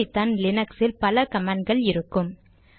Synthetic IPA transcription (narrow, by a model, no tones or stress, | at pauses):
ɪt̪ːɐnlɪnɐksɪlpɐlɐkɐmaːɳɡɐɭɪɾɯkːɯm